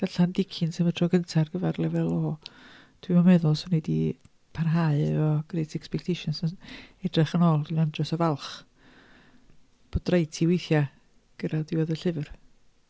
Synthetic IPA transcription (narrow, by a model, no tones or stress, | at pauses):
ɡ̥aɬandɪkʰɪnsɛmətʰrɔɡəntʰarɡəvɛrlɛvɛlˠoː | tʰwimɔmɛðʊlˠsɔnedi | pʰarɦaɨɔɡ̥rejtʰɛkspɛk̚tʰejʃɔnsɔnɛdrɨχənoːlˠdinandrɔsɔvalˠχ | b̥od̥rajtʰiwejθja | ɡ̥ədadiwɛðəɬɪvr